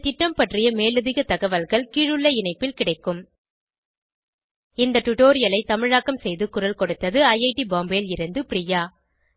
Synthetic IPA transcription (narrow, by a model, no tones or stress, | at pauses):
t̪ɪʈːɐmpɐʈrɪjɐmeːlɐðɪɣɐt̪ɐɣɐʋɐlɣɐɭkiːɻɯɭːɐɪnɐɪpːɪlkɪɽɐɪkːɯm | ɪnd̪ɐʈʊʈoːɾɪjɐlɐɪt̪ɐmɪɻaːkːɐmsɛjðɯkʊɾɐlkɔɽɯt̪ːɐðɯɐjɐɪʈibaːmbeːlɪɾɯnd̪ɯpɾɪjaː